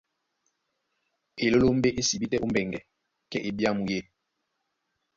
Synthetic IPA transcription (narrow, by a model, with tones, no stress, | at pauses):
e˨lo˦lo˦m˦be˦ʔe˦si˨bi˦tɛ˦ʔu˦m˦bɛ˨ŋɡɛ˨ | kɛ˦ʔe˨bja˦mu˨je˦